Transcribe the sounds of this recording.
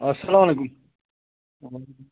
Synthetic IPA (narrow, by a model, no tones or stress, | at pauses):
ɐsɐlamɐlekum | wa